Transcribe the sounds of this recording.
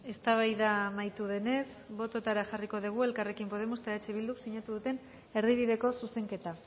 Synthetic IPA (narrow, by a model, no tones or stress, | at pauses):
e̞st̪aβ̞ajðamajt̪uðe̞ne̞sβo̞t̪o̞t̪aɾaxariko̞ð̞iɣ̞ue̞lkare̞kimpo̞ð̞e̞most̪aet͡ʃeβild̪uksiɲat̪uðut̪e̞n | e̞ɾðiβ̞iðe̞ko̞suse̞ŋke̞t̪a